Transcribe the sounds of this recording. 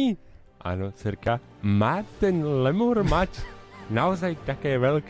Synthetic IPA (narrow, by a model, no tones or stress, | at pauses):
iː | ʔa̰not͡sɛɾka | maːt̪ɛnlɛmuɾmat͡ʃnaozajt̪akɛːvɛlk